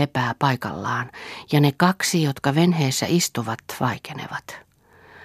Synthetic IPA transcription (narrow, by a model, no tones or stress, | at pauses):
epæːpɑikɑ̰lːɑːnjɑnekɑksijot̪kɑʋenheːsːæ̰ʔist̪uʋɑt̪ʋɑikenḛʋɑt̪